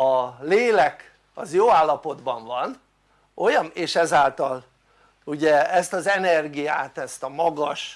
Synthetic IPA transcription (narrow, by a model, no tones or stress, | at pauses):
ɒleːlɛk | ɒzjoːaːlːɒpo̞d̪bɒɱvɒn | o̞jɒneːʃɛzaːlt̪ɒl | uɟɛɛst̪ɒzɛnɛrɡijaːt̪ɛst̪ɒmɒɡɒʃ